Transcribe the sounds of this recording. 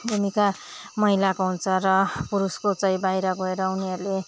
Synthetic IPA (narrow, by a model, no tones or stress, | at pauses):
bʱumikamʌɦilakoɦunt͡sʰʌrʌpuɾuskot͡sʌĩbajɾʌɡʌeɾʌuniɦʌɾule